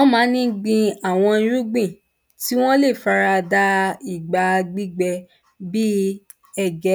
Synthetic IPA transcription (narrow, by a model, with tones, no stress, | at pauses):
ɔ̃˦mãː˨˦nĩ˦ɡ͡bĩ˧a˨w̃ɔ̃˧˦ɾũ˦ɡ͡bĩ˦˨ | ti˦w̃ɔ̃˦le˦˨fa˧ɾa˧da˧i˦˨ɡ͡ba˨˧ɡ͡bi˦ɡ͡bɛ˧ | bi˦ | ɛ˦˨ɡɛ˨˦